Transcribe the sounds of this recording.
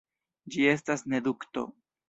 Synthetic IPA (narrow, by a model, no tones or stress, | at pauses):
d͡ʒie̞stasne̞dukto̞̰